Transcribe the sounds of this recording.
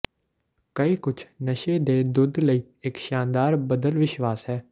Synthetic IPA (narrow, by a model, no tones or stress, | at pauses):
kəiːkʊt͡ʃʰnəʃeːd̪eːd̪ʊd̪ləiː | ɪkʃaːnd̪aːɾbəd̪əlʋɪʃʋaːsɦɛː